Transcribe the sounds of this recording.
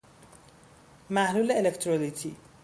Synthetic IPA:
maɦlulaelekʈrolitʰi

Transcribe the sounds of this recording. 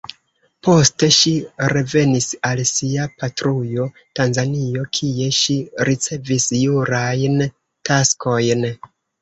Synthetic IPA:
po̞ste̞ʃiɾe̞ve̞nisalsiapatɾujo̞ | tanzanio̞kʰie̞ʃiɾit͡se̞visjuɾajn | tasko̞jn

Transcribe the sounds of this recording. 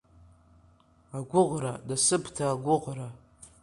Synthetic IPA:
aɡʷʊʁradasɨbtʰaːɡʷʊʁra

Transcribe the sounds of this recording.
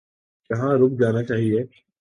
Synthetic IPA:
kɐɦãɾʊbd͡ʒaːnat͡ʃaːɦieː

